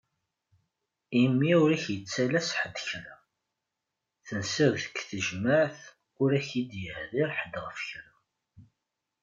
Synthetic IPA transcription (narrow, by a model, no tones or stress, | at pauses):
imːiʊɾæçjət͡sːælæsħəd̪çɾa | θənsiðθə̥kːθəʒməʕθ | ʊɾæçid̪jəhðiɾħəd̪ʁəfçɾa